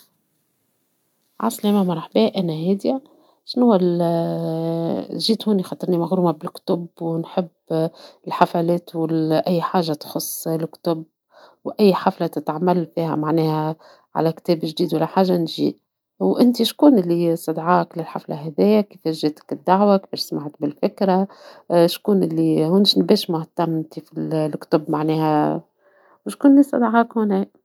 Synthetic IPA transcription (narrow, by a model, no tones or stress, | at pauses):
ʕa̰slæːmæmɑɾˤɑħbɛːʔænæhɛːd̪i | ʃnʊwːæl | ʒiːt̪huːnixɑt̪ˤɨɾnimaɣɾuːmabɪlkt̪ʊbwnħɪbːɪlħafælɛːt̪wɪlʔæjːħaːʒːat̪xʊsˤːlkt̪ʊb | wʔæjːħaflat̪ɪt̪ʕamælfiːhæ̰maʕnɛːhæ | ʕa̰lækt̪ɛːbɪʒd̪iːd̪walːæħaːʒːanʒḭʔ | wʔɪnt̪iʃkuːnʔɪlːisˤɑd̪ʕɑːklɪlħa̰fla̰ɦɛðɪjːakifæʒːɪt̪kɪd̪ːaʕwakfiːɾsmaʕt̪bɪlfɪkɾaʃkuːnʔɪlːihʊnʃnbɛːʃmʊht̪amt̪ifilkt̪ʊbmaʕnɛːhæ | wʃkuːnlːisˤɑ̰d̪ʕɑːkhʊnɛ